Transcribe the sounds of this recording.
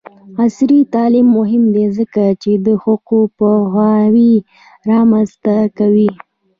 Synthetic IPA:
asɾit̪ɑlimːʊɦɪmd̪ezəkat͡ʃed̪əhʊqupəxwɑwi | ɾɑmanzt̪akawi

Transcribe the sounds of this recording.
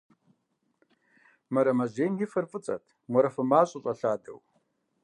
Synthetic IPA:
mɐɾɐmɐʒeːjnjɪfɐrfʼɨt͡sʼɐ̰tʰ | mʷɔɾɐfɐmaːɕʼʊɕʼɐɬaːdɐ̰w

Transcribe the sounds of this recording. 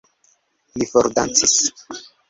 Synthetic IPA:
lifoɾd̪a̰nt͡sis

